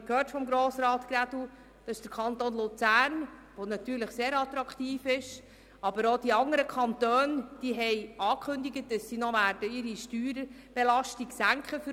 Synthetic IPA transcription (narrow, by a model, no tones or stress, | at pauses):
khøːɾtfɔmɡɾoːsɾɑːt̪kɾæd̥u | d̥ɑɪʃd̥əɾkʰɑnt̪oːnlʊt͡sæːɾnʋonɑt̪yːɾləχseːɾɑt̪ɾɑkχtiːfɪʃ | ɑb̥əɾod̥iɑŋəɾəkʰχɑnt̪øːnd̥iːɦɛɪɑːkʰχɵnd̪iɡət̚d̥ɑsːinɔʋæːɾdəɪɾiʃtyːɾ | b̥elɑʃtiɡsæŋkʰχəf